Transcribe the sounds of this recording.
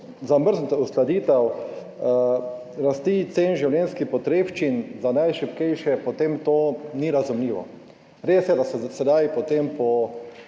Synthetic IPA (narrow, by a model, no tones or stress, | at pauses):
zaməɾznt̪usklad̪iːt̪ɐw | ɾast̪iːt̪seːnʒiwljɛnskixpɔt̪ɾeːʃt͡ʃinzanajʃipkɛjʃɛpɔt̪emt̪oːniɾazumlʲiːʋɔ̰ | ɾeːsjɛd̪asɛsɛd̪ajpɔt̪empɔ